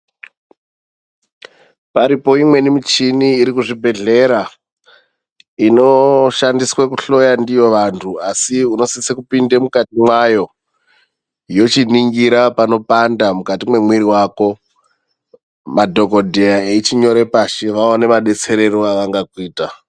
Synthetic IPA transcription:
paɾipo̞imwe̞nimit͡ʃiniːɾikuʐibʱe̞ɮe̞ɾa | ino̞ʃandiswekuɬo̞jandijo̞ʋantʰuasiuno̞sisekupindemukatimwajo̞ | jo̞t͡ʃiniŋɡiɾapano̞pandamukatimwe̞mwiɾiwaːko̞ | madʱo̞ko̞dʱejaeit͡ʃiɲo̞ɾe̞paʃeʋaone̞maɗe̞t͡se̞ɾe̞ɾoaʋaŋɡakwiːta

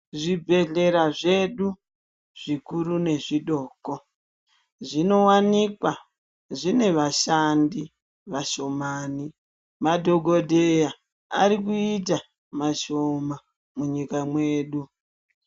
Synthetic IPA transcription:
ʐibʱe̞ɮe̞ɾaʐe̞ɗu | ʐ̥ikuɾune̞ʐiɗoːko | ʐino̞wanikwa | ʐine̞ʋaʃandi | ʋaʃo̞maːni | madʱo̞ɡʱo̞dʱeja | a̰ɾikuit̬a | maʃo̞ma | muɲikamwe̞ːɗu

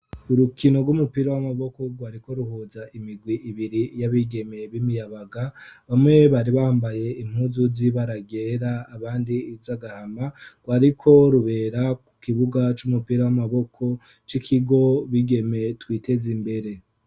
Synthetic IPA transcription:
uɾukino̞ɾɡwumupiɾawamaβo̞ko̞ɡwaːɾiko̞ɾuɦozaʔimiɡwiʔiβiɾijaβiɡe̞meβimijaβaɡaβamŋe̞βaɾiβaːmbaje̞im̥huzuziβaɾaɡe̞ɾaːβaːndiːzaɡahamaɡ̥waɾikʰo̞ɾuβe̞ɾaku̥kiβuɡat͡ʃumupiɾawamaβo̞kʰo̞ | t͡ʃikʰiɡo̞βiɡe̞me̞twiːte̞zimbe̞ɾe̞

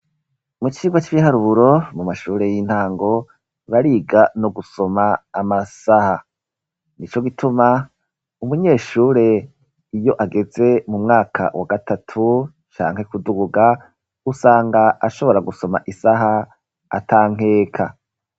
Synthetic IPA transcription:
mut͡ʃiːɡwat͡ʃiβiɦaɾuβuɾo̞mumaʃuːɾe̞jin̥haːŋɡo̞ | βaɾiːɡanoɡuso̞maːmasaha | nit͡ʃo̞ɡitʰuma | umuɲeːʃuːɾe̞ | ijo̞ʔaɡe̞ze̞mumŋaːkʰa̰waɡatatʰu | t͡ʃa̰ːŋhe̞kuduɡuɡa | usaːŋɡaʔaʃo̞βo̞ɾaɡuso̞ma̰ʔisaɦa | a̰tʰaːŋ̥e̞ːkʰa̰

